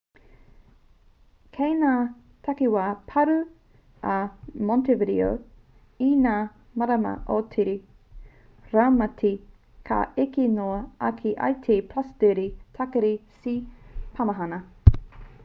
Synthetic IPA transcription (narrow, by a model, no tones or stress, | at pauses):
kʰejnaː | tʰɐkiwaːpʰɐɾʉ | ɐmɔntevidḭo̰ | inaː | mɐɾɐmɐ̰ʔotʰiɾi | ɾamɐtʰi | kʰa̰ekinoɐɐkʰiʔa̰jtʰiːpʰlɐsdɛɾitʰɐkɐɾisipʰɐmɐɦɐnɐ